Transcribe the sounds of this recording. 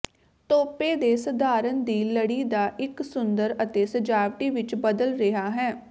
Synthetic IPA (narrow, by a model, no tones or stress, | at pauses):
t̪oːpeːd̪eːsəd̪ʱaːɾənd̪iːləɽiːd̪aːʔɪksʊnd̪əɾət̪eːsəd͡ʒaːʋʈiːʋɪt͡ʃbəd̪əlɾɪɦaːɦɛː